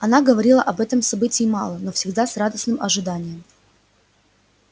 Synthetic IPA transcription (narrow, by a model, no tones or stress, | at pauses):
ɐnaɡəvɐɾʲilˠəʔɐbɛt̪əmsɐbɨtʲɪɪmɑ̰lˠənofsʲɪɡd̪asrad̪əsnɨmɐʐɨd̪anʲɪjəm